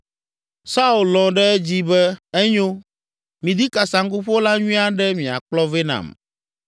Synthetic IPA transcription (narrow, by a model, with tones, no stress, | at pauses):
sa˦u˨llɔ̃˨ɖɛ˦ɛ˦d͡ʑi˦bɛ˦ɛ˦ɲõ˦ | mĩ˨d̪i˦ka˨sa˨ŋku˦ɸo˦la˦ɲũ˦a˦ɖɛ˦mĩ˨a̰˨k͡plɔ˦ve˦nã̰˨m